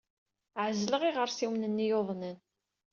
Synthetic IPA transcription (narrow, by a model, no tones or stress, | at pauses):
ʕəzləʁiʁəɾsiwnənːijoðˤnən